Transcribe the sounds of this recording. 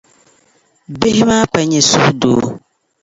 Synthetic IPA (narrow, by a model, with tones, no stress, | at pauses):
be˦hɪ˦maː˦pa˨ɲɛ˨su˦hdo̰ː˨˦